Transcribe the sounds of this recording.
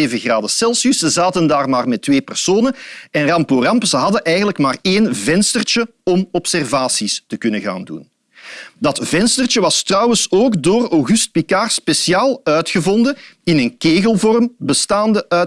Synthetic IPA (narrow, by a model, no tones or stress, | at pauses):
eːvəɣraːdəsɛlˠsyszəzaːtəndaːrmaːrmɛtʋeːpərsoːnənɛnrɑmporɑmpzəɦɑdəʔɛjɣənləkmaːreːnvɛnstərt͡ʃə | ɔmɔpsɛrvaːsistəkɵnəɣa̰ːndṵn | dɑtv̥ɛnstərt͡ʃəʋɑstrɑwənsoːɡdoːrɔwɣyst̚pikaːrspesjaːlˠœɥtxəvɔndəɪnənkeːɣəlˠvɔrmbəstaːndəʔœ